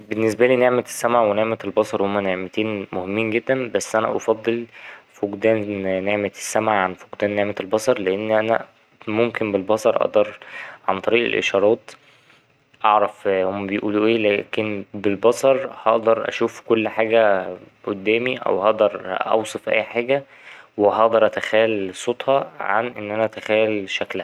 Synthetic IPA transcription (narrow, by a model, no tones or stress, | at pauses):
benːes̬bæliːneʕmet̪e̥sːæmʕaʕweneʕmet̪elbɑsˤɑɾˤhomːæneʕmet̪iːnmohemːiːnɡed̪ːænbæsːʔænæ̰ʔɑfɑd̪ˤːelfoɡd̪æːnnːeʕmet̪e̥sːæmʕaʕanfoɡd̪æːnːeʕmet̪elbɑsˤɑɾˤleʔenːʔænæ̰ | momkembelbɑsˤɑɾˤʔɑ̰ʔd̪ɑɾˤʕant̪ˤɑɾiːʔḛlʔḛʃɑɾˤɑːt̪ | ʔɑʕɾˤɑfhomːæbejʔuːluʔeːlæːkenbelbɑsˤɑɾˤhɑʔd̪ɑɾˤʔæ̰ʃuːfkolːħaːɡæ | ʔod̪ːæːmiʔæ̰whɑʔd̪ɑɾˤʔɑ̰wsˤefʔæ̰jːħaːɡæ | weɦɑʔd̪ˤɑɾˤʔæt̪æxæːlsˤot̪ˤhɑʕa̰nʔenːʔænæt̪æxæːjlʃæklæhæ